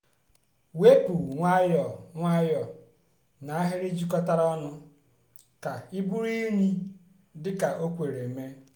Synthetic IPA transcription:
we˦pu˨ŋʷa˦jɔ˨ŋʷa˦jɔ˨ | na˨a˦ɦɪ˦ɾi˦d͡ʒi˦kɔ˦ta˦ɾɔ˦nʊ˦ | ka˨i˦bu˦ɾi˦nʷi˦ | dɪ˦ka˨ʔo˦kʷe˨ɾe˨me˦

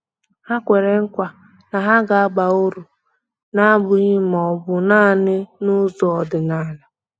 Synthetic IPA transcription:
a˦kʷe˨ɾe˨ŋ̩˦kʷa˨ | na˨ɦa˦ɡa˨a˦ɡ͡ba˨ʊ˦ɾu˨ | na˦bʊ˨i˦m˨ɔ˨bʊ˨naː˦˨nɪ˦nʊ˦zɔ˨˦ɔ˨dɪ˨naː˦˨˦na˨

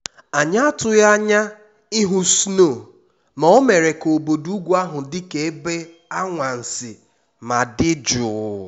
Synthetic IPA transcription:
a˨ɲa˦a˦tʊ˦ja˦ɲa˦ | ɪ˦ɦʊ˦sno˦˨ | mɔ˨ɔ˦me˨ɾe˨ko˨bo˨du˦ɡʷu˦a˦ɦʊ˨dɪ˦ke˨e˦be˦ | a˦ŋʷa˨n̩˨sɪ˨ | ma˨dɪ˦d͡ʒʊ˨

